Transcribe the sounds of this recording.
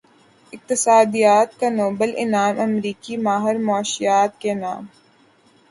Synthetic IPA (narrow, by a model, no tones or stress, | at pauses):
ɪq̚t̪ɪsaːd̪ijaːt̪̚kanoːbəlʔɪ̰naːmɐmɾiːkimaːɦɪɾmɔːʃɪjaːt̪̚kenaːm